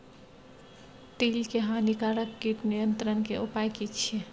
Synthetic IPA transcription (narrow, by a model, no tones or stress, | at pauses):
t̪ilkeɦãnikaɾəkːiʈnijənt̪ɾənkeupajkit͡ʃʰe